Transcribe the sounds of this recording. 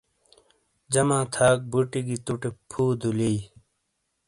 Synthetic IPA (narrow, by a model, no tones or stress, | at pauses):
d͡ʑɐmãːt̪ʰaːk̚buʈiɡit̪uʈepʰuːd̪ulii